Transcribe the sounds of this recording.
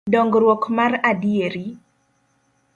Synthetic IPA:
dɔŋɡɾwɔkmaradijeɾi

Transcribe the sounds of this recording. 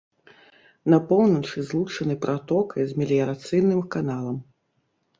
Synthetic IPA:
nɐpɔwnɐt͡ʂɨzlˠut͡ʂɐnɨpɾʔat̪ɔkʰɐjzʲmʲɛlʲijɐɾat̪sɨjnɨmkanalˠɐm

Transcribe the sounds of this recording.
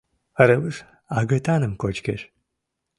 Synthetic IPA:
ɐɾɐwɨʂ | aːɡɐtʰaːnɨmkʷʰʼɔt͡ʃkʰɐ̰ɕ

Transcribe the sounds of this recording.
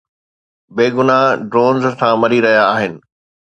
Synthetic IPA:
beːɡʊnaɖɾoːnzsʰãmɐɾiɾɐɦijaːɦɪnɪ̆

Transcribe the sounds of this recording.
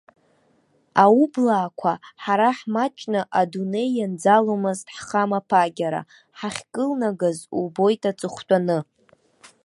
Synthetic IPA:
aublaːkʷʰaħaɾaħmat͡ʃʼnaʔadune̞jːand͡zalomɨztħχamapʰaɡʲaɾa̰ | ħaχʲkʼɨlnaɡazubo̞jtʰʼat͡sʼɨχʷtʷʼanɨ

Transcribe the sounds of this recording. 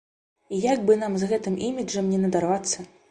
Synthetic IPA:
ijaɡ̚bɨnamzɣɛt̪ɨmimʲid͡ʐɐmnʲɛnɐd̪arvat̪sːɐ

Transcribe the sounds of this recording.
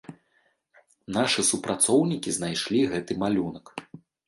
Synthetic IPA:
naʂɨsupɾʔat̪sɔwnʲikʲiznajʂlʲiɣɛt̪ɨmalʲunɐk

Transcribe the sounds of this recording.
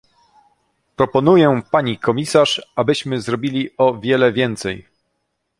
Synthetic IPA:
pɾɔpɔnujɛpaɲikɔmʲisaʂabɘɕmɘzɾɔbʲilʲiɔvʲjɛlɛvʲjɛnt̪sɛj

